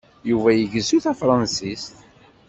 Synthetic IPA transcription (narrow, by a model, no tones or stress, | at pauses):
juvæjəʝəzuθæfɾˤɑnsist̪